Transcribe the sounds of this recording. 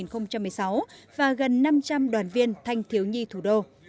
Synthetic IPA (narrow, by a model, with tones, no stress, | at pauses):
i˨˩nxə˧wŋ͡mt͡ɕa˧mːɨ˨˩əjsa˨˦wvaː˨˩ɣə˨˩nːa˧mt͡ɕa˧mɗwaː˧˩nvi˧ənt̪ʰa˧jŋ̟t̪ʰi˨˦əwɲi˧t̪ʰu˧˩ɗo˧